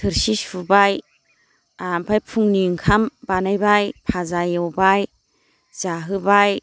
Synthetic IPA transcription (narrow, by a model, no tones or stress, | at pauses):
tʰɯɾsisubaj | bʰajpʰuŋniŋkʰambanajbajpʰazajɔwbaj | z̥aɦɯbaj